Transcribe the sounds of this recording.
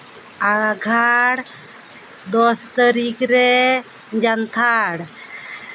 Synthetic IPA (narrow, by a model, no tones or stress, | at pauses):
aɡʱaɽ | d̪ɔst̪əɾikɾɛ | d͡ʒant̪ʰaɽ